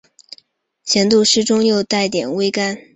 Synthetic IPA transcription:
t͡ɕʰjɛ˧˥nt̪u˥˧ʂɻ̩˥˧ʈ͡ʂʊ˥ŋjo˥˧ʊt̪a˥˩ɪt̪jɛ˨˩nwe˥ɪka˥n

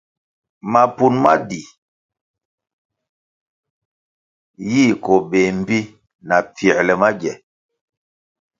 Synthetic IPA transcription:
ma˨pu˨nma˦di˨ | ji˦˨kɔ˨be˨m̩˦bi˦ | na˨p͡fi˨ɛ˨ɾlɛ˨ma˦ɡɛ˨

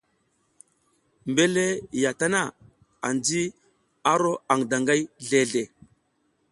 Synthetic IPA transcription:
mbe˦le˦ja˨ta˦na˦˨ | a̰˨nd͡zi˦ | a˦ɾo˦a˨ŋda˨ŋɡa˦jɮe˨ɮe˨

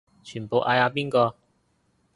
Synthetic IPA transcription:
t͡ʃʰyː˨˩po˨˧wʔaː˧jaː˧piː˥nkɔː˧

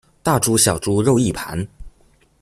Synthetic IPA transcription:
t̪a˥˩ʈ͡ʂu˥ɕjɑ˨˩ʊʈ͡ʂu˥ɻo˥˧ʊi˥˩pʰa̰˧˥n

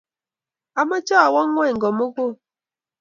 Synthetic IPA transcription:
a˨ma˦t͡ʃɔ˦a˨wɔ˦ŋʷ˦e˦˨ŋ̩˨ɡɔ˨mo˦kʷo˦˨

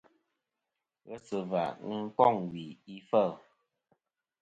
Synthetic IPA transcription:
ɣə˦sə˨va̰˨ŋ˦kɔ˦˨ŋwi˨i˦fə˦˨

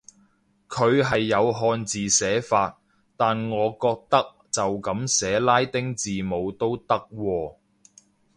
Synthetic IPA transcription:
kʰɵ˨˧ɥɦɐ˨jːɐ˨˧wɦɔː˧nt͡siː˨sɛː˨˥faː˧t̚ | t̪aː˨nŋɔː˨˧kɔː˧k̚t̪ɐ˥k̚ | t͡sɐ˨wkɐ˨˥msɛː˨˥laː˥jt̪ɪ˥ŋt͡siː˨mo˨˧wt̪o˥wt̪ɐ˥k̚wɔː˧

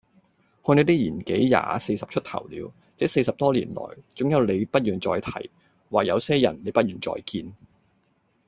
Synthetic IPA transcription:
hœː˧ne˨˧jt̪iː˥jiː˨˩nke˨˥jja̰ː˨se˧jsɐ˨p̚t͡ʃʰɵ˥t̪ʰɐ̰˨˩wlḭː˨˧w | t͡sɛː˨˥se˧jsɐ˨p̚t̪ɔː˥lḭː˨˩nlɔ̰ː˨˩jt͡sʊ˨˥ŋjɐ˨˧wle˨˧jpɐ˥t̚jyː˨nt͡sɔː˧jt̪ʰɐ̰˨˩j | waː˨k̚jɐ˨˧wsɛː˥jɐ˨˩nle˨˧jpɐ˥t̚jyː˨˩nt͡sɔ̰ː˧jkiː˧n

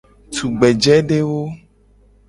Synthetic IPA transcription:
t̪u˨ɡ͡bɛ˨d͡ʒɛ˦ɖe˦wo˦

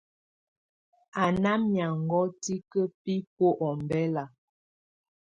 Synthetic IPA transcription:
a˨na˦mja˨ŋ˨ɡɔ˦ti˦kə˦pi˦po˦ʔɔ˨m˨bɛ˦la˨

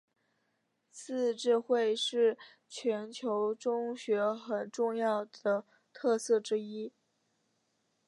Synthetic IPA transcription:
sɹ̩˥˧ʈ͡ʂɻ̩˥˧xwe˥˧ɪʂɻ̩˥˩ | t͡ɕʰɥɛ˧˥nt͡ɕʰjo˧˥ʊʈ͡ʂʊ˥ŋɕɥɛ˧˥xə˨˩nʈ͡ʂʊ˥˧ŋjɑ˥˩ʊd̪ə˩ | t̪ʰɤ˥˧sɤ˥˩ʈ͡ʂɻ̩˥i˥

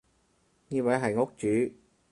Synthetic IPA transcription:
ɲi˧wa˨˥jɦa˨˩jŋo˦˥k̚t͡ɕy˨˦

